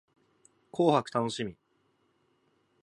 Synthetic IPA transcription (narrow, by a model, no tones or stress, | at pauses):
kʰo̞ːhakɯ̟̥t̪ano̞ɕimʲi